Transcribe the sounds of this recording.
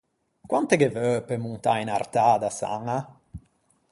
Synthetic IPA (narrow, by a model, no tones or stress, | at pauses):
kwant̪ekevœːpemunt̪ainart̪aːd̪asa̰ŋa